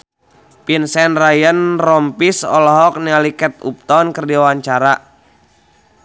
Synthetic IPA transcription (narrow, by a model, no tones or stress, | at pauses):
pinsɛnrajənrɔmpisɔ̰lɔɦɔk̚nalikɛt̪̚up̚t̪ɔnkərdiawaɲt͡ʃaɾa